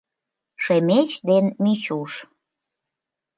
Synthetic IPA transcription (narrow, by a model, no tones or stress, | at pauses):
ʃemet͡ɕd̪enmit͡ɕuʃ